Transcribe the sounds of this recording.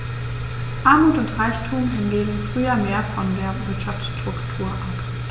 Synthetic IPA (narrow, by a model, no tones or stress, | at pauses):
ʔaɐmuːtʊntʁaɪçtʰuːmɛnɡeːɡən̩fʁ̥yːɐmeːɐfɔndeːɐvɪɐtʃaftʃtʁ̥ʊktʰuːɐʔap